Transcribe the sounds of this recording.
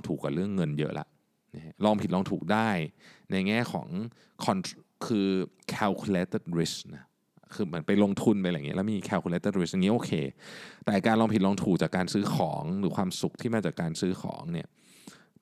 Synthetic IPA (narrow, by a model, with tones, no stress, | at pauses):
ŋt̪ʰuː˨˩kːwa˨˩ɾɯ˥˩əŋːɤ˧njɤ̰˦˥la̰˨˩ʔ | n˦˥lɔː˧ŋpʰi˨˩lɔː˧ŋt̪ʰuː˨˩k̚daː˥˩jna˧jŋɛː˥˩kʰɔ̰ː˩˦ŋ | kʰɔ˧nʰ | kʰɯː˧ | kʰɛː˧wkʰu˧leː˦˥t̪e˥˩t̪̚ɾi˦˥sk̚na˦˥ | kʰɯː˧mɯ˩˦ənpa˧jlo˧ŋt̪ʰu˧npa˧jlaː˨˩˨ŋi˦˥lːɛ˦˥m˥miː˧kʰɛː˧wkʰu˧leː˧˦˥t̪ːe˥t̪̚ɾi˦˥sʔa˧ŋi˦˥ʔoː˧kʰeː˧t̪ɛː˨˩kaː˧nlɔː˧mpʰi˨˩lɔː˧ŋt̪ʰuː˨˩k̚t͡ɕaː˨˩kːaː˧nsɯː˦˥kʰɔ̰ː˩˦ŋɾɯː˩˦kʰwaː˧msu˨˩k̚t̪ʰiː˥˩maː˧t͡ɕaː˨˩kːaː˧nsɯː˦˥xʰɔ̰ː˩˦ŋni˥˩ɐ